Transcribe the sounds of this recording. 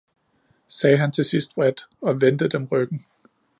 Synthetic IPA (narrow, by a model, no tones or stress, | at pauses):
sɛːɦænt͡sʰe̝sisd̥ʁɛd̥ɒ̽ʋend̥əd̥emʁœɡ̥n̩